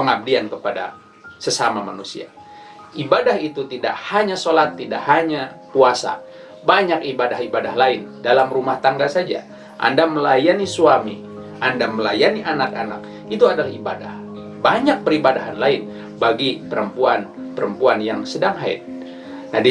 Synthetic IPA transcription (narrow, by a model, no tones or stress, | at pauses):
pəŋab̚diankəpada̰ | səsamama̰nusḭa̰ | ibadahit̪ut̪idaʔhaɲasolat̪ːida̰ʔhaɲapuasa̰ | baɲakibadahibadahlaɪndalamrumaht̪aŋɡasad͡ʒa̰ | ʔa̰ndaməlajanisuami | andaməlajaniʔanakana̰k | it̪uadalahibadah | baɲak̚pəɾibadaɦanlaɪn | baɡipəɾəmpuanpəɾəmpuanjaŋsədaŋɦaɪ̰t̪̚ | nadi